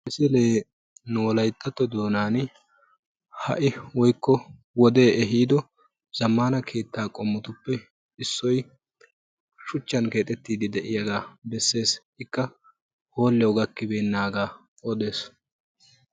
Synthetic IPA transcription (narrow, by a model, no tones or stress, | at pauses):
ɪsɪle̞ː | nuːɔlɐjt̪ʰːɐt̪ːɔd̪o̞ːnaːn | hɐ̰ʔɪwɔjkːɔ | wɔd̪e̞ːɛɦiːd̪ɔ | z̥ɐmːaːnɐkʰe̞ːt̪ːaːkʼɔmːʊt̪ʊpːɛ | ɪsːɔj | ʃʊt͡ʃːɐnke̞ːt̪ʼɛt̪ːiːd̪ɪd̪ɛʔɪjɐɡaːbɛsːe̞ːs | ɪkːɐ | ho̞ːlːɛɔɡɐkːɪbeːnːaːɡaː | ɔd̪e̞ːs